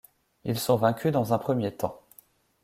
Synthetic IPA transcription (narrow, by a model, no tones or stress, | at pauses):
ilsɔ̃vɛ̃kʲʰyd̪ɑ̃zɛ̃pχəmjet̪ɑ̃